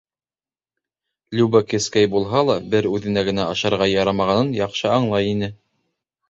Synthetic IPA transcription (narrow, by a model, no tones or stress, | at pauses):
lʲubakɘ̆skæjbulˠɦɑlˠɑbɘɾʉðɘ̆næɡɘ̆næɑʃɑɾʁɑjɑɾɑmɑʁɑnɤnjɑqʃɤɑɴlˠɑjinɘ